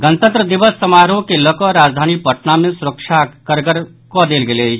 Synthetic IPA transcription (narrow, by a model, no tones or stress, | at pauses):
ɡənt̪ə̃nt̪ɾəd̪ɪʋəsːɐmaːɾõkelɔkɔɾaːd͡ʒd̪ʱaːnipəʈnamẽsʊɾəkʃakəɾɡəɾ | kɔd̪eːlɡele